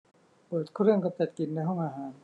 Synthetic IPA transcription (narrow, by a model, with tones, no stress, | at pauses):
pɤː˨˩t̪̚kʰːɾɯ˥˩əŋka˧˩t͡ɕa˨˩t̪̚ki˨˩nːa˧jɦɔ˥˩ŋʔaː˧ɦaː˩˦n